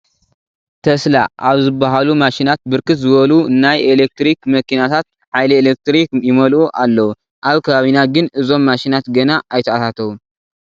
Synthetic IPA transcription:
t̪ʰɐslaʔaβzɨbːaɦalumaʃinat̪̚bɨɾkɨt̪zɨβɐlunːajelek̚t̪ɾikmɐkʰinat̪ʰat̪̚ | ħajlɐelek̚t̪ɾikjɪmɐlʔuʔalːɐwu | ʔaβkʰɐβaβinaɡɨnɨzo̞mːaʃinat̪ɡɐnaʔajt̪ʰɐat̪at̪ʰɐβu

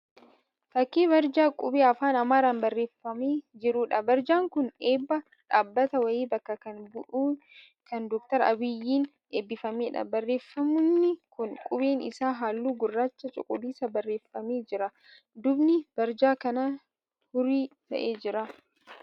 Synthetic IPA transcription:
fɐkːeːβɐɾd͡ʒaːkʼʊbeːɐfaːnɐmaːɾaːnbɐrːe̞ːfːɐmeːd͡ʒɪɾuːᶑɐbɐɾd͡ʒaːŋkʊneːbːɐ | ᶑaːbːɐt̪ɐwɐjeːbɐkːɐkɐnbʊʔuː | kɐnd̪ɔk̚t̪ɐɾɐ̰bɪjːiːn | eːbːɪfɐmeːᶑɐ̰bɐrːe̞ːfːɐmʊnːɪkʊnkʼʊbeːnɪ̰saːɦaːlːuːɡʊrːaːt͡ʃːɐt͡ʃʼʊ̰kʼʊliːsɐbɐrːe̞ːfːɐmeːd͡ʒɪɾɐ | d̪ʊbnɪb̥ɐɾd͡ʒaːkɐnɐ | hʊɾiːt̪ɐ̰ʔe̞ːd͡ʒɪɾɐ

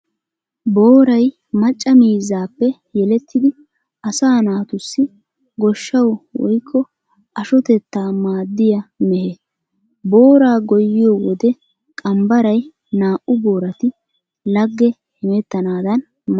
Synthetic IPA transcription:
boːɾɐj | mɐt͡ʃʼːɐmiːzːaːpːɛ | jɛlɛt̪ʰːɪd̪ɪ | ʔɐsaːnaːt̪ʊsːɪ | ɡɔʃːɐwwɔ̰jkʰːɔ | ʔɐʃɔt̪ɛt̪ːaːmaːd̪ːɪjɐmɛhe | bo̞ːɾaːɡɔjːɪjɔwɔd̪ɛ | kʼɐmbɐɾɐj | naːʔʊbo̞ːɾɐt̪ɪ | lɐɡːɛ | hɪmɛt̪ːɐnaːd̪ɐn | m

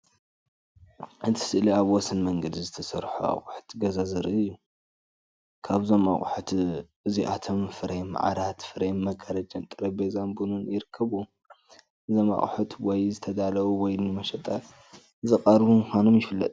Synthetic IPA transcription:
ʔɨt̪ʰi̥sɨʔliaβwɔsɨnmɐŋɡɐd̪izɨt̪ʰɐsɐɾħua̰χʼʊħu̥t̪ɡɐzazɨɾʔɨjːu | kʰaβzo̞maχʼħut̪ʔɨziʔa̰t̪ʰomfɨɾema̰ʕa̰ɾat̪fɨɾenmɐɡʰɐɾɐd͡ʒɐnt̪ʼɨɾɐbezanbununjɪɾɨkʰːɐβu | ʔɨzoma̰χʼħut̪wɔjzɨt̪ʰɐd̪alɐwuwɔjnɨmɐʃɐt̪ʼɐ | zɨχʼɐɾbumɨxʷano̞mjɪfɨlːɐ̰t̪ʼ

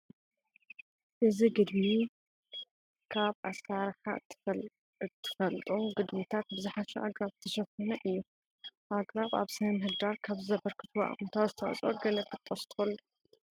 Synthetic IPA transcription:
ʔɨziɡɨd̪mi | kʰaβaskaɾħa̰ | t̪ʰːɨ̥fɐlt̪ʼumɡɨd̪mit̪ʰat̪̚bɨzɨħaʃuʔa̰ɡɾaβt̪ʰːɐʃɐkonɐʔɨjːu | ʔaɡɾaβa̰βsɨɐmɦɨd̪aɾkʰaβzɨzɐbɐɾkʰɨ̥t̪ʰwa̰ʔmt̪ʰawzɨt̪ʰɐw̰t͡sʼʔoɡɐlɐt̪ʰːɨt̪ʰʼːɐst̪ʰɨ̥xɐlːu

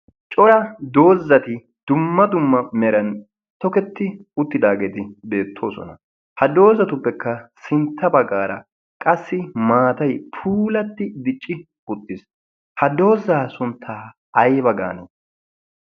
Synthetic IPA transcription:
t͡ʃʼɔɾɐd̪o̞ːzːɐt̪ɪ | d̪̥ʊmːɐd̪ʊmːɐmɛɾɐn | t̪ɔkɛt̪ːɪʊt̪ːɪd̪aːɡe̞ːt̪ɪbe̞ːt̪ʰːo̞̰ːsɔ̰nɐ | hɐd̪o̞ːzɐt̪ʊpːɛkːɐsɪnt̪ʰːɐbɐɡaːɾɐ | kʼɐsːɪmaːt̪ɐjpʰuːlɐt̪ːɪd̪ɪt͡ʃʼːɪ | ʊt̪ʼːɪs | hɐd̪o̞ːzaːsʊnt̪ʰːaː | ɐjbɐɡa̰ːnḛ

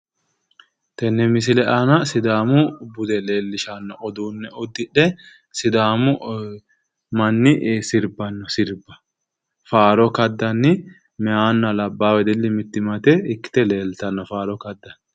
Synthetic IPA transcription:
t̪ɛnːɛmɪs̬ɪlɛʔɐnɐsɪd̪aːmʊbʊd̪ɛle̞ːlːɪʃanːɔɔd̪uːnːɛʊd̪ːɪᶑɛ | sɪd̪aːmʊ | mɐnːɪsɪɾbɐnːɔsɪɾbɐ̥ | faːɾɔkɐd̪ːɐnːɪ | mɛhaːnːɐlɐbːaːwɛd̪ɛlːɪmɪt̪ːɪmɐt̪ɛɪkːɪ̥t̪ɛle̞ːlt̪ɐnːɔfaːɾɔkɐd̪ːɐnː

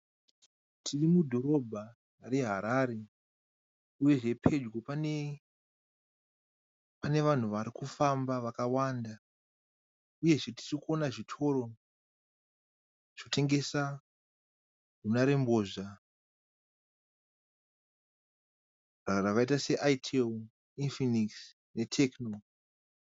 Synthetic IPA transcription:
tʰirimudʱo̞ɾo̞bʱa | re̞ɦaɾaːɾe̞ | uje̞ʐe̞pʰe̞d͡ʒɡo̞pane̞ | pane̞ʋan̤uʋaɾikufambaʋakawanda | uje̞ʐe̞ti̥rikuonaʐitʰo̞ɾo̞ | ʐ̥tʰe̞ŋɡe̞sa | runaɾe̞mboʐa | raraʋaitase̞ʔaitʰel | infiniks | ne̞tʰe̞kno

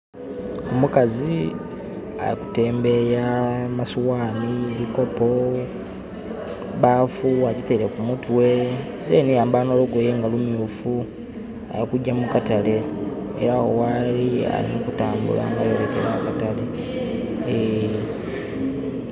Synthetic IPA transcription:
omukazi | a̰jiku̥te̞ːmbe̞jamasuwaːniβiko̞po̞ | βaːfuaɟitele̞kumutwe̞ | zenijaːmbaːno̞loɡwejeŋɡalumjuːfu | a̰jikuɟːamukatale̞ḛɾaowalia̰ɾḭnokutaːmbṵla̰ŋɡajoɾekeɾaːkatale̞

